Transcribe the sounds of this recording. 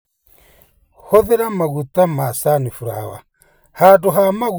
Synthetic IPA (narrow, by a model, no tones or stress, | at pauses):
hɔðɛɾamaɣutamasanifuɾa̰wa̰ | haduɦamaɣu